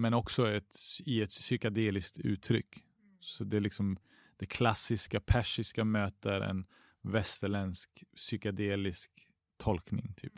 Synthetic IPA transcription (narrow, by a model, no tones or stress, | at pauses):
mɛnɔksɔɛt̪ɪɛt̪sʏkad̪eːlɪskt̪ʉ̟̰ːt̪ʰːɾʏ̰kː | sɔd̪ɛlɪksɔm | d̪̥ɛkʰlasːɪskapʰæʂɪskamøːt̪əɾɛ̰n | vɛst̪əɭɛnsksʏkad̪eːlɪsk | t̪ʰɔlknɪ̰ŋt̪ʰy̰ːp